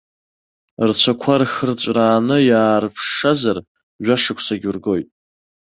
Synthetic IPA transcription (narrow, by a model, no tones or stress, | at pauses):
rt͡ɕʷʰakʷʰarxərt͡ɕʷʼraːnɨjaːrpʰʂazar | ʒʷᶣaʂakʷʰsaɡʲurɡo̞jtʼ